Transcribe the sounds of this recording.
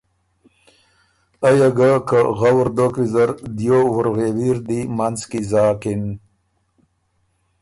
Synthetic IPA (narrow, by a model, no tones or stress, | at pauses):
ajaɡakəɣawɾd̪okizaɾd̪jowʊɾɣewiɾd̪imanzkizɑːkin